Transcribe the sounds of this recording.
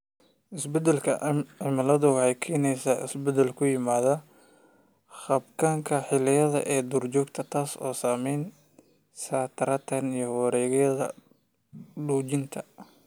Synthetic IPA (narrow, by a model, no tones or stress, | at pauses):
ʔɪsbɛd̪ɛlkʰɐɪmɐlɐðʊwɑħɑjkʰɛːnɛjsaːɪ̰sbɛd̪ɛlkʰʊjɪmaːðɐ | χɐbkʰaːŋkʰɐħɪlɪjɐðɐ̰ʔɛːd̪uːrt͡ʃɔːɡ̚t̪ʰɐt̪ʰaːsɔːsaːmɛjn | saːt̪ʰɐɾɐt̪ʰɐnijɞwɾɛːɣɛjɐðɐ̰ | ɖuːt͡ʃɪnt̪ʰɐ